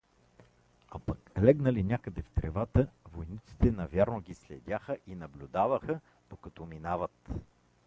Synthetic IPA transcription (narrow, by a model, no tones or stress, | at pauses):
apaklɛɡnəlinʲakəd̪ɛft̪ɾɛvat̪əvojnit̪si̥t̪ɛnɐvʲjaɾnoɡʲislɛd̪ʲaxəʔinɐblʲʊd̪avəxə | d̪̥okɐt̪ɔminavət̪